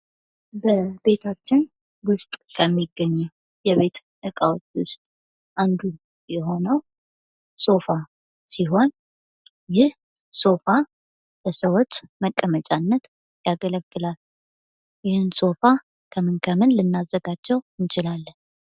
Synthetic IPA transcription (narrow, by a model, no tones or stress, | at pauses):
bəbe̞t̪ʰat͡ʃːɪn | wʊst̪ʼkʰəmːiɡːəɲːɛw | jɛβe̞t̪ | ʔɨkʼawt̪ːwʊst̪ʼ | ʔand̪u | jɛɦo̞nəw | so̞fa | siɦo̞n | jɪh | so̞fa | bəsəwot͡ʃːməkʼːəmət͡ʃʼanːət̪ | jaɡələɡːɨlal | jɪhɨnso̞fa | kʰəmɨnkʰəmɨnlɨnːazːəɡad͡ʒːɛwɨnt͡ʃɪlalːən